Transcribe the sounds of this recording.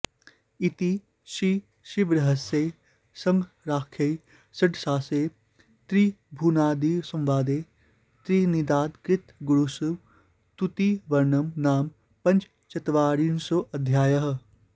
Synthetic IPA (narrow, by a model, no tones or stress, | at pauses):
it̪i | ʃiː | ʃiʋɾɐɦɐseː | sɐ̃ŋɡ | ɾaːkʰɐj | sɐʈsaːseː | t̪ɾiːbʱuːnaːd̪iːsɐ̃mʋaːd̪eː | t̪ɾiːnid̪aːd̪kɾɪt̪ɡuɽusuʋ | t̪ut̪iʋɐɾnɐmnaːm | pɐ̃nt͡ʃ | t͡ʃɐt̪ʋaːɾiːnsoʔɐd̪ʱjaːjɐɦɐ